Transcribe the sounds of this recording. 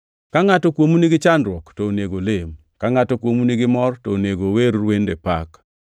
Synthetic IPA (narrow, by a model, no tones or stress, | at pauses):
kaŋatɔkwomuniɡɪt͡ʃandɾwɔktɔneɡolem | kaŋatɔkwomunɪɡɪmɔrtɔneɡoweɾwendepak